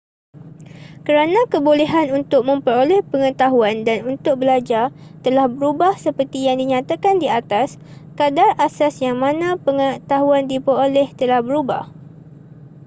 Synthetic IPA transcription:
kəɾanãkəbolɛɦanunt̪ʊk̚mə̃mpəɾolɛhpəŋət̪aɦuandanunt̪ʊk̚bəlad͡ʒart̪əlahbəɾubahsəpərt̪ijaŋdiɲãt̪akandiat̪as | kadarasasjaŋmãnãpəŋət̪aɦuandipəɾolɛht̪əlahbəɾuba̰h

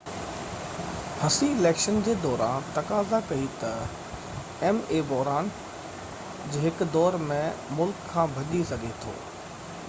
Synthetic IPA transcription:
hɐsiɪleːkʃənd͡ʑeːd̪ɔːɾa̰ːnt̪ɐkaːzakɐit̪ɐ | ɛmeːbɔɦɾaːn | d͡ʑeːɦɪkd̪ɔːɾmẽmʊlkʰːãːbʱɐʄisɐɡʱet̪ʰo̰ː

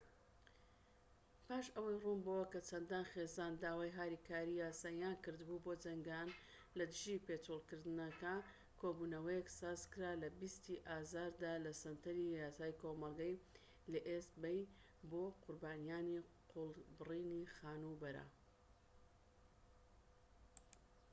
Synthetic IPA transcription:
pʰaːʃɐwɐjruːmbowɐkɐt͡ʃʰɐnd̪aːnxeːzaːnd̪aːwaːjɦaːɾiːkʰaːɾijaːsaːjaːnkɨɾd̪buboːd͡ʒɐŋɡan | lɐd̪ɨʒipeːt̪ulˠkɨɾd̪ɨnɐka | kʰobuːnɐwɐjɛksaːzkɨɾaːlɐbist̪iʔaːzaːɾd̪aːlɐsɐnt̪ʰɐɾijaːsaːjkʰoːmɐlˠɡɐj | lɐʔest̪bɐj | boːqʰʊɾbaːnijaːniqʰʊlˠbɨriːnixaːnubɐɾɐ̰

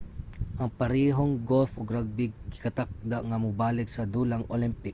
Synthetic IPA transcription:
ʔɐŋpɐɾiːɦoŋɡolfoɡɾaɡ̚bɪɡ̚ːɪkɐt̪ak̚d̪aʔŋɐmʊbaːlɪksɐd̪uːlaŋʔolɪmpɪk̚

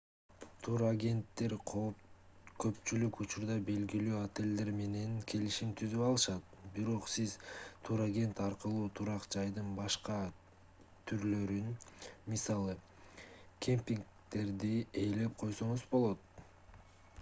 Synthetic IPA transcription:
t̪ʰuɾaɡʲe̞nt̪ːe̞ɾʰo | kʰø̞pt͡ʃylykut͡ʃuɾd̪ɑbe̞lɡilyːat̪e̞lʲd̪e̞ɾme̞ne̞ŋkʰe̞liʃimt̪ʰyzypɑlˠɯʃɑt̪biɾo̞qsizt̪ʰuɾaɡʲe̞nt̪ɑɾqɯlˠuːt̪ʰuɾɑqd͡ʒɑjd̪ɯnbɑʃqɑ | t̪ʰyɾlø̞ɾynmisɑlˠɯ | kʲʰempʲiŋk | t̪e̞ɾd̪ie̞jle̞p̚qʰo̞jso̞ɴuzbo̞lˠo̞t̪̚

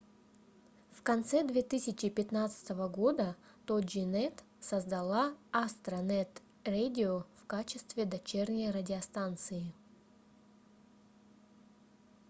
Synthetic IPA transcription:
fkɐnt̪sɛd̪vʲet̪ɨsʲɪt͡ɕɪpʲɪt̪nat̪sɨ̥t̪əvəɡo̞d̪ə | t̪od͡ʒɪnɛt̪ | səzd̪ɐlˠaast̪ɾɐnɛt̪ | redʲɪofkat͡ɕɪst̪vʲɪd̪ɐt͡ɕernʲəjrədʲɪɐst̪ant̪sɨɪ

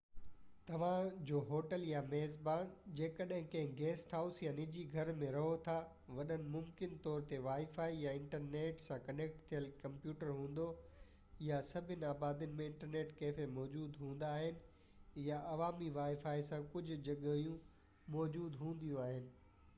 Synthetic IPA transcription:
t̪ɐʋ̤ãd͡ʑoːɦoːʈəljameɦzbaːnd͡ʑeːkəɗɦɪ̃kɐ̃ɦɪ̃ɡɛːsʈɦaːʊsjanɪd͡ʑiɡʱɐɾmẽɾɐɦot̪ʰa | ʋɐɗənɪ̆mʊmkɪnt̪ɔːɾt̪eʋaːifaːijaɪ̃ɳʈəɾneːʈsãkɐneːk̚ʈt̪ʰijəlkɐ̃mpjuːʈəɾɦũːn̆d̪o | jasɐbʱɪnɪ̆aːbaːd̪iʊnɪ̆mẽɪ̃ɳʈəɾneːʈkeːfemɔːd͡ʑuːd̪ɦũːn̆d̪aːɦɪnɪ̆ | jaʔɐʋaːmiʋaːifaːisãkʊd͡ʑʱʊ̆d͡ʑɐɠijũ | mɔːd͡ʑuːd̪ɦũːn̆d̪ijũaːɦɪnɪ̆

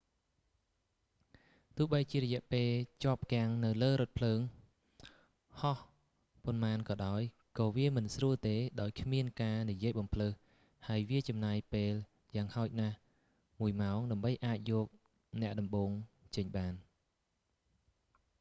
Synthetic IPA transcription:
t̪ʊ̆əhɓəjt͡ɕiəɾɔjɛ̆əʔpeːlt͡ɕŏəp̚kĕaŋnɨwləːɾʊt̪̚pʰləːŋ | hɑh | ponmaːnkɑːɗaɔj | kɑːʋiəmɨnsruəlt̪eːɗaɔjkʰmiənkaːnijiəjɓɑmpʰləːh | haəjʋiət͡ɕɑmnaːjpeːl | jaːŋhaɔc̚nah | muəjmaɔŋɗaəmɓəjʔaːc̚jɔːk̚ | nɛ̆əʔɗɑmɓoːŋt͡ɕəɲɓaːn

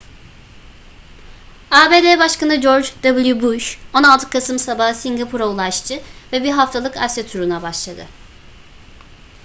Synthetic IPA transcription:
aːbeːd̪ebaʃkanɯd͡ʒo̞ɾd͡ʒd̪abɯlˠjubuʃo̞nalˠt̪ʰɯ̥kʰːasɯmsabaɦsiŋɡapʰuɾaulˠaʃt̪ʰɯvɛbiɾɦaft̪ʰalˠɯka̰sɛt̪ʰuɾunabaʃlˠad̪ɯ̰

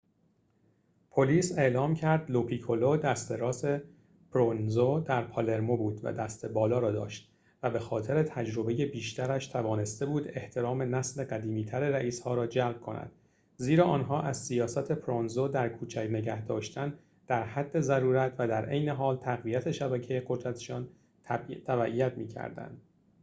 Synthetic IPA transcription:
pʰoliːse̞ʔlɒːmcʰæɾd̪lopʰiːkʰolod̪æst̪e̞ɾɒːse̞ | pʰɾonzod̪æɾpʰɒle̞ɾmobuːd̪væ̰d̪æst̪e̞bɒːlɒːɾɒːd̪ɒ̰ːʃt̪̚ | væbe̞xɒːt̪ʰe̞ɾe̞t̪ʰæd͡ʒɾobe̞je̞biːʃt̪æɾæʃt̪ʰævɒːne̞st̪e̞buːd̪e̞ht̪ʰe̞ɾɒːme̞næsle̞ɢæd̪iːmiːt̪ʰæɾeɾæʔiːshɒːɾɒːd͡ʒælb̥̚kʰo̞̰næ̰d̪̥ | ziːɾɒːʔɒːnɦɒːʔæzsijɒːsæt̪ʰe̞pʰɾonzod̪æɾkʰuːt͡ʃʰæcne̞ɟæhd̪ɒːʃt̪ʰæn | d̪̥æɾhæd̪ːe̞zæɾuːɾæt̪ʰvæd̪æɾʔe̞jne̞ɦɒːlt̪ʰæɣvijæt̪ʰe̞ʃæbæcʰe̞jeɢo̞d̪ɾæt̪ʰe̥ʃɒːn | t̪ʰæbæʔijæt̪miːcʰæ̰ɾd̪æ̰nd̪̥

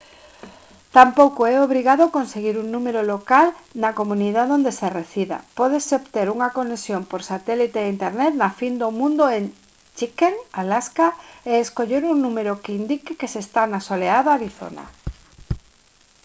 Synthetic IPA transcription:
t̪ampowkoɛoβ̞ɾiɣaðokonseɣiɾuŋnũmeɾolokalnakomũniðaðond̪esereθiða̰pɔðesopt̪eɾuŋakonesjompoɾsat̪ɛlit̪eint̪eɾnɛt̪nafind̪omũnd̪oen | t͡ʃikeŋalaskaeːskoʎeɾuŋnũmeɾokeind̪ikekesest̪anasoleaðaaɾiθo̰na̰

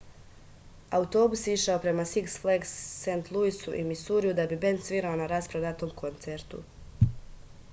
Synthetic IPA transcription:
aut̪o̞ːbusjiʃaopɾe̞masiksfleɡsːent̪lˠuisuʔḭmisuːɾijud̪abibe̞nd̪sʋiɾaonaɾaspɾad̪at̪o̞ːmko̞nt̪seɾt̪ṵ

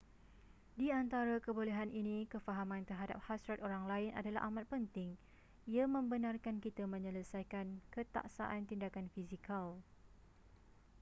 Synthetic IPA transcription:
diant̪aɾakəboleɦanʔinĩkəfaɦamãnt̪ərɦada̰p̚hasɾat̪oɾaŋlaɪnʔa̰dala̰ʔamat̪̚pənt̪ɪŋ | iamə̃mbənarkankit̪amə̃ɲələsajkankət̪a̰ʔsa̰ʔant̪indakanfizikal

